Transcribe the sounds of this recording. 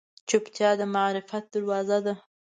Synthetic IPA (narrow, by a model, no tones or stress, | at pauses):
t͡ʃʊpt̪jɑd̪əmaɾɪfat̪̚d̪aɾwɑzad̪a